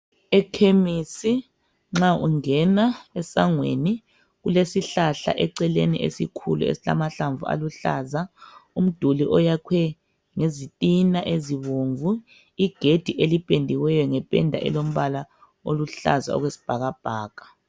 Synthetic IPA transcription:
ɛkʰemisi | ŋ͡ǁaʔṵŋɛnaɛsaŋwḛni | ɣulesiɬaɬa̰ʔɛǀɛlenḭʔḛsikʰṵlṵḛsila̰maɬaɱvua̰luɬazaum̩d̥ʱuliʔɔjakʰwɛ | ŋezitʼinaʔeziβoɱvu | iɡ̥ʱed̥ʱiʔelipʼendʱiwɛjɔŋɛpʼɛ̰ndʱa̰ʔɛ̰lom̩βala | oluɬa̰za̰ɔ̰ɣwesi̥b̥ʱaɣab̥ʱaːɣ̥ʱḁ

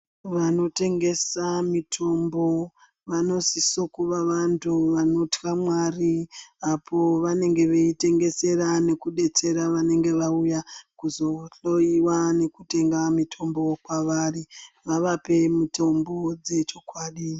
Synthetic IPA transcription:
ʋano̞te̞ŋɡe̞samitʰo̞mbo̞ | ʋano̞sisokuʋaʋantʰuʋano̞tkamwariapʰo̞ʋane̞ŋɡe̞ʋe̞ite̞ŋɡe̞se̞ɾane̞kuɗe̞t͡se̞ɾaʋane̞ŋɡe̞ʋaujakuzo̞ɬo̞iwane̞kute̞ŋɡamitʰo̞mbo̞kwaʋari | ʋaʋape̞mito̞mbo̞d͡ze̞t͡ʃo̞kwaːɗi

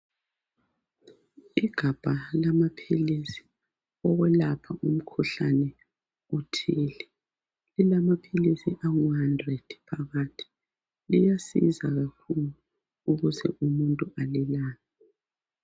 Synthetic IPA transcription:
iɡ̥ʱab̥ʱalamapʰilisi̥ | ɔɣwɛlapʰaʔum̩kʰuɬanɛ | utʰiːlɛ | lilamapʰilisiʔaŋuhandrɛd̥pʰaɣaːtʰi̥ | lijasḭzaɣakʰulu | uɣuzʰɛ̰ʔumuntʼuʔalilaːna

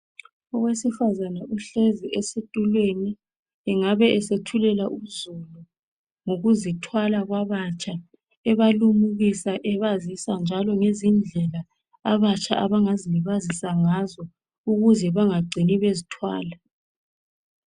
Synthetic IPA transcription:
ɔɣwesifazanaʔuɬeziʔesetʼulweni | ɛŋaβɛʔɛsetʰulɛlaʔuzulu | ŋuɣuzitʰwalaɣwaβat͡ʃʰʼa | ɛβalumuɣisaʔɛβazisand͡ʒʱalɔŋezind͡ɮʱɛla | aβat͡ʃʼaʔaβaŋaziβazisaŋazɔ | uɣuzɛβaŋaɡ͡ǀʱiniβezitʰwa̰ːla

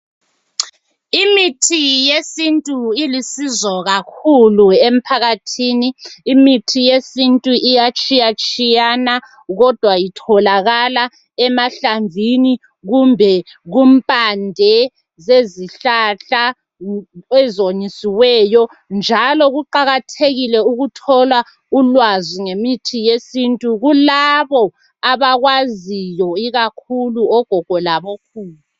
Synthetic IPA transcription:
imitʰijesintʼuilisizɔɣakʰuluem̩pʰaɣatʰiniːmitʰijesintʼuʔijat͡ʃʼijat͡ʃʼijana | ɣɔd̥ʱwajitʰɔlaɣala | ɛmaɬaɱvʱini | ɣumbʱɛɣumpʼandʱɛ | zeziɬaɬa | ɛzoɲisiwɛjɔ | nd͡ʒʱalɔɣuǃaɣatʰeɣilɛuɣutʰɔla | ulwaziŋemitʰijesintʼuɣulaβɔ | aβaɣwazijɔiɣakʰuluɔɡ̥ʱɔɡ̥ʱɔlaβokʰuːla

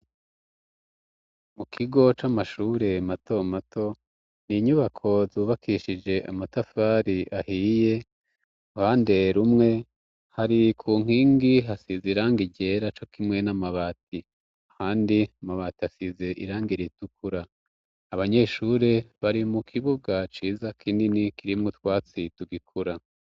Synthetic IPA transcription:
mukʰiɡo̞t͡ʃamaʃuːɾe̞mato̞matʰo̞ | niɲuβakʰo̞zuːβakʰiʃid͡ʒe̞ʔamatafaɾiʔahiːje̞ | haːnde̞ɾumŋe̞ | haɾikʰuːŋ̥iːŋɡiɦasizeiɾaːŋɡiɟe̞ɾat͡ʃo̞kʰimŋe̞namaβaːtʰi | ahaːndiamaβaːtiasize̞ʔiɾaːŋɡiɾitukʰuɾaː | βaɲe̞ːʃuɾe̞βaɾimukʰiβuɡat͡ʃiːzakʰiːndinikiɾimŋut̪waːt͡situɡikʰuɾa

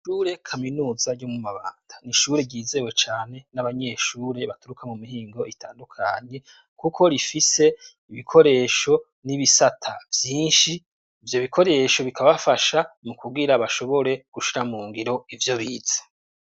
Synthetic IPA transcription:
ʃuːɾe̞kʰaminuːzaɟomumaβaːnd̥aniʃuɾeɟiːze̞we̞t͡ʃaːne̞naβaɲe̞ʃuːɾe̞βatuɾukamumiɦiːŋɡo̞itʰaːndukʰa̰ɲe̞ | kukʰo̞ɾifise̞ | iβikʰo̞ɾe̞ːʃo̞ | niβisatʰavjiːnʃiː | vjo̞βikʰo̞ɾe̞ːʃo̞βikʰaβafaʃamukuɡiɾaβaʃo̞βo̞ɾe̞ɡ̥uʃiɾamuːŋɡiɾo̞ivjo̞βiːz̥ḁ

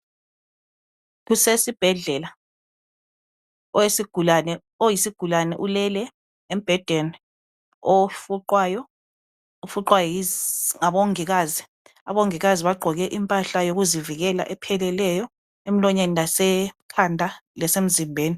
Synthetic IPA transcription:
kusesib̥ʱɛɮɛla | ɔesiɡ̥ʱulanɛ | ojisiɡ̥ʱulanɛʔulɛlɛ | em̩b̥ʱɛd̥ʱeni | ofuǃwajɔ | ufuǃwajɔiŋaɓoŋiɣaːzi | aβoŋiɣaziβaɡ͡ǃʱɔɣɛʔimpʼaɬajoɣuziviɣɛla̰ʔɛpʰɛlɛlɛjɔ | em̩lɔɲenilasɛkʰandʱalɛsem̩zimbʱeːni

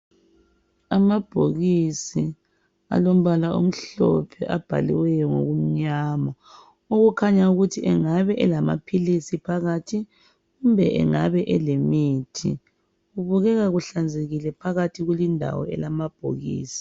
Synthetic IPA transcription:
amab̥ʱoɣisi | a̰lom̩βalaum̩ɬɔ̰pʰɛʔab̥ʱa̰liwɛjɔŋo̰ɣum̩ɲaːma | oɣukʰaɲauɣutʰiɛŋaβɛʔɛlama̰pʰilisipʰaɣatʰi | ɣumbʱɛʔɛ̰ŋaβɛʔɛlemiːtʰḭ | ɣuβuɣɛɣaɣuɬand͡zʱeɣilɛpʰaɣatʰiɣulindʱa̰wɔ̰ɛ̰lamab̥ʱo̰ɣḭːsi̥

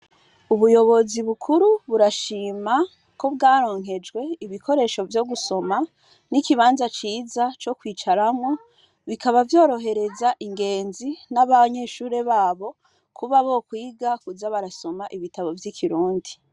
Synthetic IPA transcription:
uβujo̞βo̞ziβukʰuɾuβuɾaʃiːma | ko̞βɡaːɾo̞ːŋ̥ɦe̞d͡ʒɡwe̞iβikʰo̞ɾe̞ːʃo̞vjo̞ɡuso̞ma | nikiβaːnzat͡ʃiːzat͡ʃo̞kwiːt͡ʃaɾamŋo̞ | βikʰaβavjo̞ːɾo̞ɦe̞ɾe̞zaʔiŋɡe̞ːnzinaβaɲe̞ʃuːɾe̞βaːβo̞ | kʰuβaβo̞kwiːɡakuzaβaɾaso̞maʔiβitaβo̞vjikʰiɾuːndi

